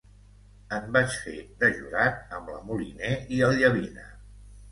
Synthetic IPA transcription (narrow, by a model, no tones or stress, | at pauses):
əmbat͡ʃfed̪əʒuɾat̪̚əmlə̰mulḭneiəlˠʎəβinə̰